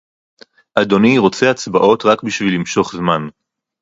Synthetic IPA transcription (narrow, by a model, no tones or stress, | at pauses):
ʔado̞niʁo̞t͡seat͡sbaʔo̞tʁakbiʃvilimʃo̞χzman